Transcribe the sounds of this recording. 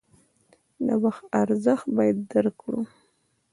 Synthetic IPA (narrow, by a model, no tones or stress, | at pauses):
na̰waxt̪aɾzəxt̪bɑjad̪ːaɾkɽṵ